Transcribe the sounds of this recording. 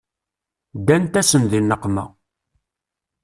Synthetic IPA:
d̪ːænt̪æsənðinːəqːmæ̰

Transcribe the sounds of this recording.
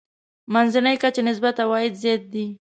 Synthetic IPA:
manzanəjkat͡ʃenɪs̬bat̪awɑjɪd̪zɑt̪̚d̪i

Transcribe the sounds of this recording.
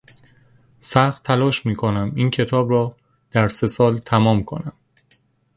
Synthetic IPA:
sæxt̪ʰːælɒːʃmiːkʰo̞næmiːncʰe̞t̪ʰɒːbɾɒː | d̪̥æɾse̞sɒːlt̪ʰæmɒːmkʰo̞̰næm

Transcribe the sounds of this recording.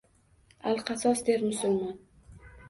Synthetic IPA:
alˠqʰɑsɒsd̪eɾmʊsʊlmɒn

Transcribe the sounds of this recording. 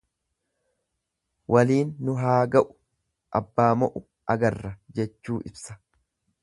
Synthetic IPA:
wʔɐliːnːʊɦaːɡɐʔʊ̥ | ʔɐbːaːmɔʔʊ | ʔɐɡɐrːɐd͡ʒɛt͡ʃːuːʔɪbsɐ̥

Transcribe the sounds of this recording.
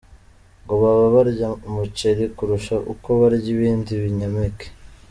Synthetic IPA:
ŋɡoβaβaβaɾɟamut͡ʃeɾikuɾuʃaʔuko̞βaɾɟiβiːndiβiɲameke̥

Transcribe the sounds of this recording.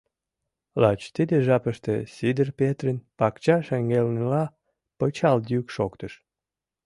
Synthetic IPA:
lɑt͡ɕt̪id̪eʒɑpəʃt̪esid̪ərpet̪rənpɑkt͡ɕɑʃeŋɡelnelɑ | pət͡ɕɑld̪jykʃokt̪əʃ

